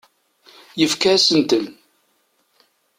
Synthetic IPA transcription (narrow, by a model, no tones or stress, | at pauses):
jəfkæsənt̪ən